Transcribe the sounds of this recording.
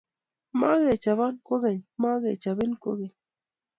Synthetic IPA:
ma˦ɣe˨t͡ʃa˨βa˦nko˦ɣe˨ɲma˦ɣe˨t͡ʃa˨βi˦nko̰˦ɣe˨ɲ

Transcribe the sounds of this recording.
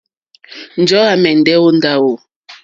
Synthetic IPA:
n̩˨d͡ʒɔ˦a˨mɛ˨n̩˨dɛ˦wo˦n̩˦da˦wo˨

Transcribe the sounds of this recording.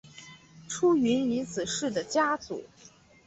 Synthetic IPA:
ʈ͡ʂʰu˥y˧˥nni˧˥t͡sɹ̩˨˩ʂɻ̩˥˩d̪ə˩t͡ɕja˥t͡sṵ˨˩˦

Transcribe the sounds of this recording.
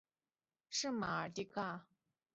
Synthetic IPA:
ʂɨ˥˩ma˨ə˨˩t̪i˥ka˥˩

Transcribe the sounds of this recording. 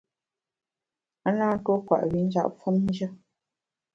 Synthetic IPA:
a˦naː˦twɔ˦kwa̰˨ʔwi˨˦n̩˦d͡ʒa̰˦ʔfɔ˦mn̩˦d͡ʒə˦

